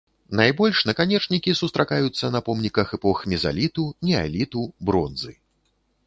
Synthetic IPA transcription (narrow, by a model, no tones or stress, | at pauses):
najbɔlʲʂnɐkanʲɛt͡ʂnʲikʲisust̪ɾakajut̪sːɐnɐpɔmnʲikɐxɛpɔxmʲiza̰lʲit̪unʲɛa̰lʲit̪ubɾɔnzɨ